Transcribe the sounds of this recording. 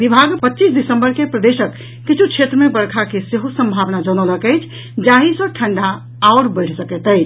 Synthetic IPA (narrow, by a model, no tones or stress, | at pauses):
bibʱaɡpətːt͡ʃisɖisəmbəɾkepɾəd̪esəkː | it͡ʃʰukt͡ʃʰet̪ɾəmebəɾkʰakeseɦosəmbʱaʋnad͡ʒɔñɔləkəɪt͡ʃʰ | d͡ʒaɦisə̃ʈʰəɳɖaː | ɾbəɪʈʰsəkɛt̪əɪt͡ʃʰ